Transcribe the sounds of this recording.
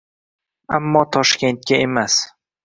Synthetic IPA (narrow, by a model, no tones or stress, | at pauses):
amːɒt̪ʰɒʃkʲe̞nt̪̚kʲae̞mas